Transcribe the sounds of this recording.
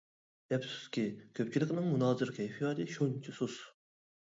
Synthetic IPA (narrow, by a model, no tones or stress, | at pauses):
ɛpsu̥skʲikʲʰøp̚t͡ʃʰilˠɪkʲnɨŋmunɑːzɨɾkʲʰɛjfijɑːd̪ɨʃont͡ʃʰisus